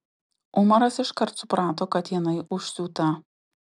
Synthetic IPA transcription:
ʊmɐɾɐsɪʃkɐɾt̪sʊpɾɑːt̪oːkɐt̪jɪnɐɪʔʊʃʲsʲuːt̪ɐ

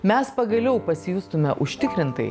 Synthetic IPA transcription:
mʲɛspɐɡɐlʲɛʊpɐsʲɪjust̪ʊmʲɛʔʊʃʲt̪ʲɪkɾʲɪnt̪ɐ̰ɪ

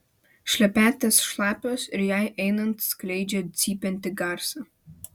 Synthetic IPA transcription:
ʃʲlʲɛpʲæːt̪ʲɛsʃlˠɑːpʲosɪɾjæjʔɛɪnɐnt̪sklʲɛɪd͡ʒʲɛsʲiːpʲɛnʲt̪ʲɪɡɑɾsɐ

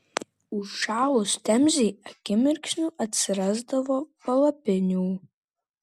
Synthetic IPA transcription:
uʂaːlostʰamzijaɡʲɪmɪrkʲʃnuʔatsɪrazdavopalapɪnʲuw

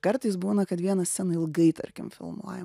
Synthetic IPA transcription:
kɐɾt̪ɐɪsbuːnɐkɐt̪ʋʲiɛnɐsʲsʲɛnɐɪlˠɡɐɪt̪ɐ̰ɾʲkʲɪ̰mfʲɪ̰lˠmuɔjɛm

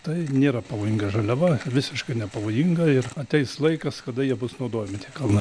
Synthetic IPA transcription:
t̪ɐɪnʲeːɾɐpɐʋoːjɪŋɡɐʒɐlʲɛʋɐʋʲɪsʲɪʃkɐɪnʲɛpɐʋoːjɪŋɡɐɪrɐt̪ʲɛɪsslˠɐɪkɐskɐd̪ɐjiɛbʊsnɐʊd̪oːjɛmʲɪtʲiːkɐlˠnɐ

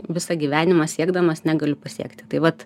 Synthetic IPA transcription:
ʋʲɪsɐɡʲiːʋʲæːnʲɪmɐsʲiɛɡd̪ɐmɐsnʲæɡɐlʲʊpɐsʲḭɛkt̪ʲɪt̪ɐɪʋɐt̪

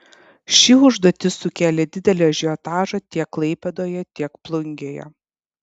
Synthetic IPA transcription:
ʃʲiːʊʒd̪oːt̪ʲɪsʊkʲæːlʲeːd̪ʲɪd̪ʲɛlʲɛʒʲiɔt̪ɑːʒɐt̪ʲiɛkːlˠɐɪpʲɛd̪oːjɛt̪ʲiɛkplˠʊŋʲɡʲeːjɛ̰

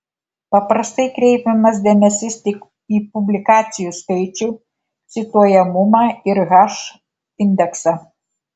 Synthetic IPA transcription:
pɐpɾɐst̪ɐɪkɾʲɛɪpʲɛmɐsd̪ʲeɛmʲɛsʲɪst̪ʲɪk | iːpʊbʲlʲɪkɑːt̪sʲɪjuːskɐɪt͡ʃʲuː | sʲɪt̪uɔjɛmʊmɑːɪɾɣɑʃ | ɪnʲd̪ʲɛksɑ

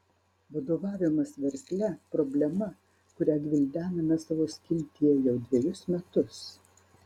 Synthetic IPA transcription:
ʋɐd̪oːʋɑːʋʲɪmɐsʋʲɛɾʲt̪ʲlʲɛpɾɔbʲlʲɛmɐ | kʊɾʲæːɡʲʋʲɪlʲd̪ʲæːnɐmʲɛsɐʋoːsʲkʲɪlʲt̪ʲijɛjɛʊd̪ʲʋʲɛjʊsmʲɛt̪ʊs

